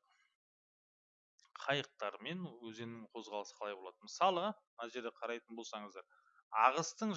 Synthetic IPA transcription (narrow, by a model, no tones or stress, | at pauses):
qʰɑjəq̚t̪ɑɾme̞nwɵzenɪŋqʰo̞zʁɑlˠəsə̥qʰɑlˠɑjbo̞lˠɑd̪əməsɑlˠənɑʒe̞ɾd̪eqʰɑɾɑjt̪ənbolˠsɑɴəzd̪ɑɾ | ɑʁəst̪əɴ